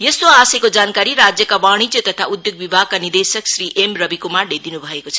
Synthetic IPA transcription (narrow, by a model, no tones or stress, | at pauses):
jest̪oasʌjkod͡zankaɾiɾad͡zjʌkawaɽ̃id͡zjʌt̪ʌt̪ʰaud̪joɡ̚bibʱaɡkanird̪esʌksɾiʔemrʌbikumarɖed̪inubʱʌekot͡sʰʌ